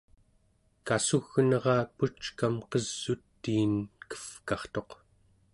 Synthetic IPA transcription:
kasuɣnʌʁɑːput͡ʃkamqʌz̥ːut̪ːiːnkə̥fkɑχt̪o̞q

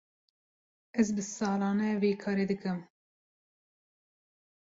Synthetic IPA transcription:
ɛzbɨsɑːlɑːnɛveːkʰɑːɾeːd̪ɨkɨm

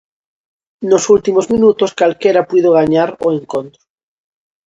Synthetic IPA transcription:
nosult̪imozmĩnut̪oskalkeɾapwiðoɣ̞aɲaɾoẽŋkont̪ɾo

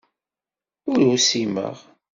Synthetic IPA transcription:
ʊɾusimə̰ʁ

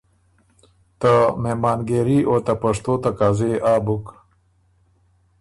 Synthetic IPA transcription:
t̪amemaːnɡeɾiʔot̪ɐpɐʂt̪oːt̪akaːzeʔaːbuk

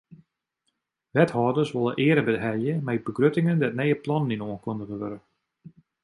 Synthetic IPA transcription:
ʋɛthɔːdəsʋolˠəʔɪəɾəbədɦɛljəmɛjbəɡrøtɪŋəndɛtnɛjəplɔnəninoənkondəɣəʋøɾə

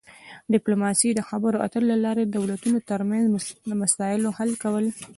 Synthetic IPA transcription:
ɖɪplomɑsid̪əxabəɾoʔa̰t̪əlolalɑɾed̪awlat̪unot̪əɾmanzəmasɑjɪlohalkawəl

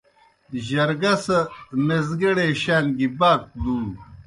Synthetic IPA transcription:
ʑɐɾɡɐsɐmezɡɐɽeɕaːnɡibaːk̚d̪uː

